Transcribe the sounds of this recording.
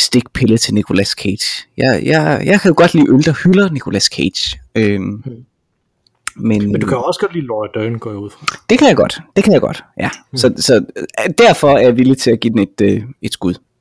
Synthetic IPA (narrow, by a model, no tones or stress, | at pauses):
sd̥e̝ɡ̥̚pʰe̝lət͡sʰe̝lnikʰo̝læskʰed̥jɑɪjɑɪjɑ̈ɪkʰæjo̝ɡ̥ɒ̽d̥lḭːʔøld̥ʁɐhylɐnikʰo̝læskʰed̥ɕøm | menmnduukʰæjoɒsɡ̥ɒd̥liːlɒɐd̥œːnɡ̥ɔ̰ːjuð̰ˠfʁɑd̥e̝kʰæjɑ̈ɡ̥ɒ̽d̥d̥e̝kʰæjaɡ̥ɒ̽d̥jæsɒ̽sɒ̽d̥æɐfɒ̽æɐjɑ̈ʋilit͡sʰe̝læɡ̥id̥ene̝d̥øe̝d̥sɡ̥uðˠ